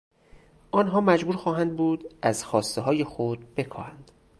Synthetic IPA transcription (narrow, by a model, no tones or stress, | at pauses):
ʔɒːnɦɒːmæd͡ʒbuːɾxɒːɦænd̪buːd̪ʔæzxɒːst̪eɦɒːje̞xod̪be̞kʰɒ̰ːhænd̪̥